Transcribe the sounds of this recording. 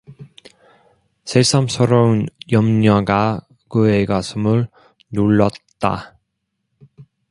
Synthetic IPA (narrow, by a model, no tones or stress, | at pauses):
sʰes͈ʰʌmsʰʌɾʌɯnjʌmɲʌɡa | kɯeɡasʰɯmɯɭ | nuɭːʌt̚t͈a̰